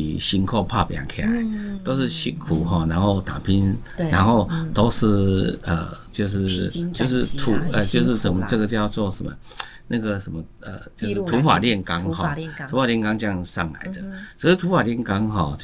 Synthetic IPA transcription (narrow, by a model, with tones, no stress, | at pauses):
i˨ɕi˧˥nkʰo˥˧pʰa̰˥˧pja̰˨˩ŋkʰe˥˧˩a̰˨˦ɪt̪o˥ʊʂ̬ɻ̩˥˧ɕi˥˩kʰu˨˩ɦɔ˥˨na˧˦nxo˥˩ʊt̪a˨˩pʰi˦˥n | na˧˦nxo˥˧ʊt̪o˥ʊʂ̩˥˩ə̰˨˩t͡ɕjo˥˧ʊʂ̬ɻ̩˥˧t͡ɕjo˥˧ʊʂ̬ɻ̩˥˧t̪ʰu˨˧˥ə˨˧t͡ɕjo˥˧ʊʂ̬ɻ̩˥˧sə˨˩mə˨t͡sə˥˧˩ɡə˨t͡ɕjɑ˥˧ʊt͡swɔ˥˧ʂə̰˨˦mə̰˧ | na˥˩ɡə˨ʂə˨˦mə˧ | ə̰˨˩t͡ɕjo˥˧ʊʂ̩˥˨t̪ʰu˧˦fa̰˨˩ljɛ˥˨nka˦ŋhɔ˥˨t̪ʰu˧˦fa˨ljnka˦ŋt͡ɕja˥˧ŋsɑ̰˥˨˩ŋla̰˨˦ɪd̪ə˨t͡ɕʰə˧˥ʂ̩˥˩t̪ʰu˧˥fa˨˩ljɛ˥˩nka˦ŋɦɔ˥˨t͡ɕ